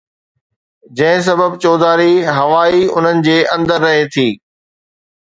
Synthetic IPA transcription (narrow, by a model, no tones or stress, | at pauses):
d͡ʑɐ̃ɦɪ̃s̬ɐbəbt͡ɕɔːd̪aːɾiɦɐʋaːiʊn̤ənɪ̆d͡ʑeːʔɐ̃nd̪əɾːɐɦet̪ʰiː